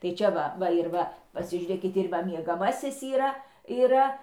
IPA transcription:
tɐɪ ˈt͡ʃʲɛ ʋɐ ˈʋɐ ɪr ˈʋɐ pɐsʲɪʒʲuːˈrʲeːkʲɪt ɪr ˈʋɐ mʲiɛɡɐˈmɑːsʲɪs iːˈrɐ iːˈrɐ

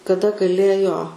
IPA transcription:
kɐˈdɐ ɡɐˈlʲeːjoː

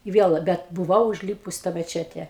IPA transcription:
ɪ ˈʋʲiɛlˠ ˈbʲɛt bʊˈʋɐʊ ʊʒʲˈlʲiːpʊs ɪ tɑː mʲɛˈt͡ʃʲæːtʲɛ

